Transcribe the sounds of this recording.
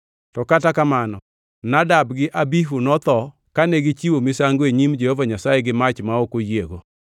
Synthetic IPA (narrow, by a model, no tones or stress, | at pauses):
tɔkatakamanɔ | nadabɡɪʔabiɦunɔt̪ɔ | kanɛɡɪt͡ʃiwomɪsaŋɡoeɲimd͡ʒehovaɲasajeɡɪmat͡ʃmaokojeɡo